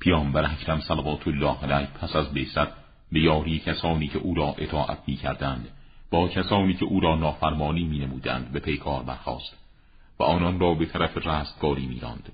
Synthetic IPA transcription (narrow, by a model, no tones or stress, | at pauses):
pʰijɒːmbæɾæcʰɾæmsælævɒːt̪ʰolːɒːhælæjpʰæsæzbesæt̪̚ | bejɒːɾiːecʲʰæsɒːniːcʰeʔuːɾɒːʔe̞t̪ʰɒːʔæ̰t̪ʰmiːcʰæɾd̪ænd̪b̥ɒːcʲʰæsɒːniːcʰeʔuːɾɒːnɒːfæɾmɒːniːmiːnemuːd̪æ̰nd̪be̞pʰejkʰɒːɾbæ̰ɾxɒ̰ːst̪ | væ̰ʔɒːnɒnrɒːbe̞t̪ʰæɾæferæːst̪̚ɡ̥ɒːɾiːmiːɾɒ̰ːnd̪̥